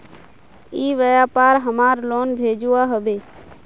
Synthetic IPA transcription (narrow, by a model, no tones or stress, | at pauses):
iːʋəjaːpaːɾɦəmaːɾloːnbʱeːd͡ʒuːaːɦəbeː